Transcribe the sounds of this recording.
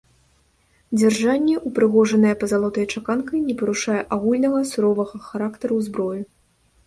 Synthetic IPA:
d͡zʲɛrʐanʲːɛʔupɾɨɣɔʐɐnɐjɛpɐzalˠɔt̪ɐjt͡ʂakankɐjnʲɛpɐɾuʂajɛʔaɣulʲnɐɣɐsuɾɔvɐɣɐxaɾakt̪ɐɾuwzbɾɔju

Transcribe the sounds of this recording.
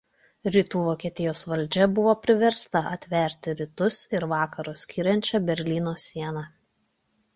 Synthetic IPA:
ɾʲit̪uːʋoːkʲiɛt̪ʲɪjoːsʋɐlʲˑd͡ʒʲɛbʊʋoːpʲɾʲɪʋʲɛɾst̪ɐʔɐt̪ʲʋʲɛˑɾʲt̪ʲɪɾʲɪt̪ʊsɪɾʋɑːkɐɾʊsʲkʲiːɾʲɛnʲt͡ʃʲɛbʲɛɾʲlʲiːnoːsʲiɛnɑ

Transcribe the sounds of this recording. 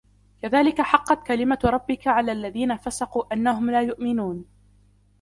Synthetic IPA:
kaðaːlɪkaħɑqːɑt̪kalɪmaɾˤɑbːɪkaʕalaːlːaðiːnafasɑquːʔanːaɦʊmlaːjʊʔmɪnuːn

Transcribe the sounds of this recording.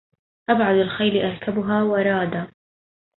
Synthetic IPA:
ʔabʕad̪alxajlɪʔɑɾˤkʰabʊɦaːwɑɾˤɑːd̪a

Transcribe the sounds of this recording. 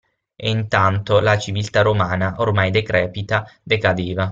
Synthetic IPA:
eint̪ant̪olat͡ʃivilt̪aɾomaːnaʔormajd̪ekɾɛːpit̪ad̪ekad̪eːva

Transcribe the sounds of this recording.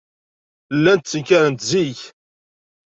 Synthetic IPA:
lːænt̪t͡sːəkæɾənt̪ziç

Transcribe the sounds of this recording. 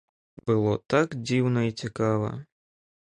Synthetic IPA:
b̥ɨlˠɔt̪akd͡zʲiwnɐit͡sʲikavɐ̰

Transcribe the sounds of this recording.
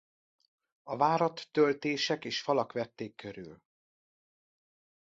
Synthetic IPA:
ɒvaːɾɒt̪ːølt̪eːʃɛkeːʃfɒlɒkʋɛt̪ːeːkːøɾy̰l

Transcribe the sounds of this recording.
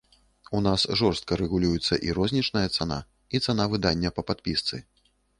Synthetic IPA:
unasʐɔrst̪̚kɐɾɛɣulʲujut̪sːɐ̰ʔiɾɔzʲnʲit͡ʂnɐjɐt̪sana̰ | it̪sanavɨd̪anʲːɐpɐpat̪̚pʲist̪sɨ

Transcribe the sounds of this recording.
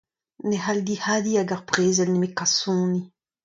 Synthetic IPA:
nehald̪ihaːdiaɡaʁpʁeːzɛlnemekasɔ̃ːni

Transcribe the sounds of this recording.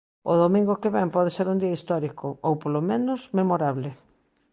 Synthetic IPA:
o̰ðomĩŋɡokeβɛmpɔðeseɾund̪iɐist̪ɔɾikʰoowpolomẽnʊsmemoɾaβlɪ

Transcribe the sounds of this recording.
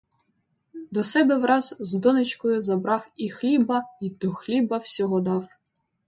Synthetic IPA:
d̪ɔsɛbɛwɾɑzzd̪ɔnɪt͡ʃkɔjʊzɐbɾɑwixlʲibɐid̪̥ɔxlʲibɐwsʲɔɦɔd̪ɑw

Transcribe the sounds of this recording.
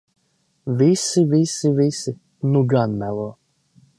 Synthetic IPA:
visivisivisɪ | nuɡanmælˠɔː

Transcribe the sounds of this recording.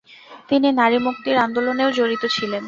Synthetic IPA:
t̪ininaɾimuk̚t̪iɾand̪oloneod͡ʑoɾit̪ot͡ɕʰilen

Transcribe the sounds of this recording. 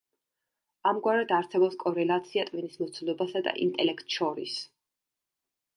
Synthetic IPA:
amɡwaɾɛd̪aɾsɛbɔpskʼɔɾɛlat̪sʰiat̪ʼvinismɔt̪sʰulˠɔbasad̪a̰ʔḭnt̪ʼɛlɛkʰt̪ʼʃɔɾḭs

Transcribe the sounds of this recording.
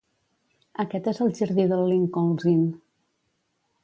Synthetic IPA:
əkɛt̪ezəlˠʒəɾðiðəlˠːiŋkonzin

